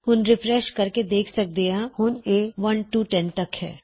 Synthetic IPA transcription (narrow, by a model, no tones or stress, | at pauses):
hʊnɾɪfɾɛːʃkɐɾked̪eːkʰsɐk̚d̪eãhʊneːʋɐnʈuːʈɛ̃nʈɐkhɛ̰ː